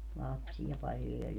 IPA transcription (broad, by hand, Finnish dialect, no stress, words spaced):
lɑpsij̆ɑ pɑljo jɑ